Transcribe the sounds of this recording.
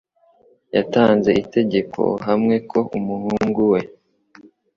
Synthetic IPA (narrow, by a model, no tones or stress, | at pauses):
jataːnze̞ite̞ɟe̞kʰo̞̰ɦamŋe̞kʰo̞ʔumuhuŋɡuwe̞